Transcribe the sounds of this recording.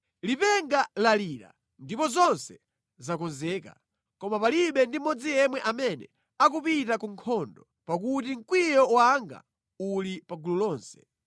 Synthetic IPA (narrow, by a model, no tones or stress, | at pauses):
lipɛŋɡalaliːɾa̰ | ndipɔzɔnsɛ | zakɔnzɛːka | kɔmapaliɓɛndimɔd͡zijɛmwɛʔamɛnɛ̰ | ak̬upitakuŋkʰɔndɔ | pakutiŋ̩kwijɔwaŋɡa̰ | ulipaɡululɔːnsɛ̥